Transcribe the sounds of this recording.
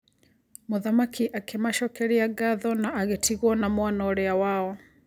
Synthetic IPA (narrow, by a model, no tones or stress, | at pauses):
moðamakiʔakemaʃɔkɛɾiaɡaðɔnaːɣetiɣwɔnamwanɔoɾeawaɔ